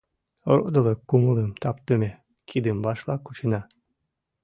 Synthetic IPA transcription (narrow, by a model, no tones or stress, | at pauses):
ɾo̰d̪olˠɤkːumulˠəmt̪ɑp̚t̪ɨmʲe | kʰid̪ɨmbɑʃlˠɑkut͡ɕinɑ